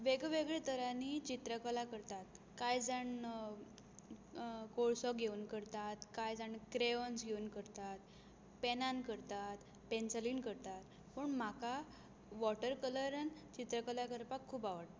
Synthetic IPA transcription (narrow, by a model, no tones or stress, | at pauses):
ʋeɡʋeɡɭet̪əɾanit͡ɕit̪ɾəkəlakəɾt̪at̪ | kajd͡zaɳ | koɭsɔkɡʱeunkəɾt̪at̪kajd͡zaɳkɾeʋənsɡʱeunkəɾt̪at̪ | penankəɾt̪at̪ | pensəliːnkəɾt̪at̪ | pəɳm̤aka | ʋɔʈəɾkələɾənt͡ɕit̪ɾəkəlakəɾpakʰːuːbaʋəɽt̪a